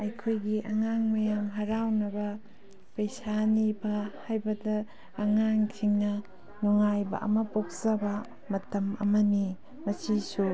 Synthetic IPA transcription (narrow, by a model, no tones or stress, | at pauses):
ɐjkʰojɡiʔɐŋaŋmɐjamɦɐɾawnɐbɐ | pɐjsanibɐhajbɐdɐː | ŋaŋsʰiŋnɐ | nuŋajbɐ̰ʔɐ̰mɐpok̚sɐbɐ | mɐtɐmɐ̰mɐni | mɐsisu